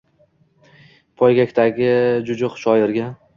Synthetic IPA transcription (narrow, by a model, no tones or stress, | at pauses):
pʰɒjɡʲakʲt̪ʰaɡʲɪd͡ʒʊd͡ʒʊqʃɒjɪɾɡʲa